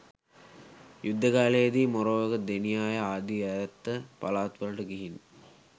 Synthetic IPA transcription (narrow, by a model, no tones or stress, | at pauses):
jud̪ʱːəkaːlejəd̪iːmoɾoːʋɐɡəd̪enijaːjəaːd̪iaɾɐt̪ːəpalaːt̪ʋəlɐʈəɡiɦin